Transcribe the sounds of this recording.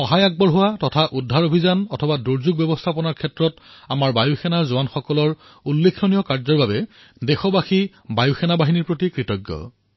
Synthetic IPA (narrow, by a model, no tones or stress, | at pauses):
ɔɦajaɡ̚bɔɹɦʊwatɔtʰaʔudʱːaɹobʱizanɔtʰɔbaduɹzuɡ̚bjɛbɔstʰapɔnaɹkʰɛtɹɔt | amaɹbajuxʰɛnaɹzʊanxɔkɔlɔɹ | ulːekʰːɔnijɔkaɹzɔɹbabɛ | dɛxɔbaxi | bajuxʰɛnabaɦiniɹpɹotikɹitɔɡːɔ̰